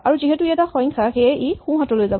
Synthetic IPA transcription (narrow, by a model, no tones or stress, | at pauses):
aɹuziɦɛtuiɛtaxɔ̃jŋkʰaxejɛʔejxũɦatɔlojzab